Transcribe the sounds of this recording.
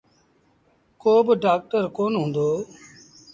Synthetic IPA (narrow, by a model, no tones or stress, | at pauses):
koːbɖaːk̚ʈəɾkoːnɦũːnd̪oː